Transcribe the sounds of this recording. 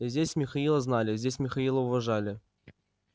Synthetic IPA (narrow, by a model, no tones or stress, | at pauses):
zʲdʲesʲmʲɪxɐilˠəznalʲɪzʲdʲesʲmʲɪxɐilˠəʊvɐʐalʲɪ